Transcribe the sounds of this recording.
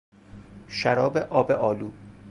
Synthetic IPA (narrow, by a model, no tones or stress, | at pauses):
ʃæɾɒːbeʔɒːbeʔɒːluː